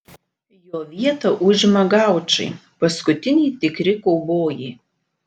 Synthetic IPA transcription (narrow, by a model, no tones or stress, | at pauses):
joːʋʲiɛt̪ɐʔʊʒʲɪmɐɡɑˑʊt͡ʃɐ̰ɪpɐskʊt̪ʲɪnʲiːt̪ʲɪkɾʲɪkɔʊboːjiː